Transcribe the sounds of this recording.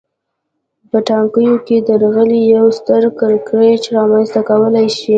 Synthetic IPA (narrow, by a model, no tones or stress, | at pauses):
pəʈɑŋkəjoked̪əɾɣəlijawst̪əɾkəɾkɾet͡ʃɾɑmanst̪akawəlajʃi